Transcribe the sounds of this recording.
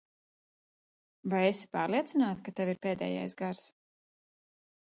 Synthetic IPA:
vajesi̥paːɾliɛt̪sinaːt̪kat̪ɛviɾpeːd̪ɛ̰ːja̰jsɡaɾs

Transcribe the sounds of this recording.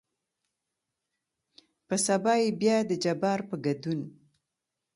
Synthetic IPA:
pəsabɑjebjɑd̪əd͡ʒabɑɾpəɡad̪un

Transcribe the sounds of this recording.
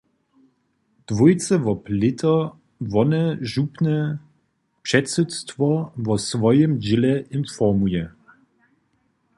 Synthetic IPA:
d̥vujt͡sɛvɔplɪtʰɐ | vɔnɛʒupnɛ | pʂɛtsutstvɔvɔsvɔjəmd͡ʑɪlɛʔɪnfɔmujɛ

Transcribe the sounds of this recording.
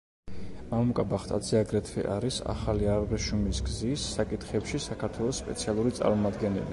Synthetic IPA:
mamukʼabaχt̪ʼad̪zɛaɡɾɛt̪ʰvɛ̰ʔaɾisa̰χaliaɾʁɛʃumisɡzisːakʼit̪ʰχɛpʃisakʰaɾt̪ʰwɛlˠɔsːpʼɛ̰t̪sʰialˠuɾit̪sʼa̰ɾmɔmad̪ɡɛnɛ̰li

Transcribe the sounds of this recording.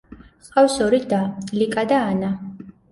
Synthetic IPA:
χawsɔɾid̪alikʼad̪aːna

